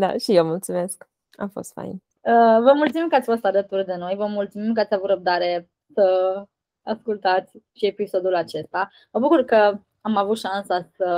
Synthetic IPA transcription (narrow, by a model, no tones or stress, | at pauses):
d̪a̰ʃijewmult̪sume̞sk | a̰mfo̞̰st̪fa̰jn | əvəmult̪sumimkəat̪sʲfo̞st̪alət̪urd̪e̞no̞jvəmult̪sumimkəat̪sʲavut̪ɾəb̚d̪aɾe̞ | sə | askult̪at̪sʲʃie̞piso̞d̪ulat͡ʃe̞st̪a | məbukurkə | amavut̪ʃansasə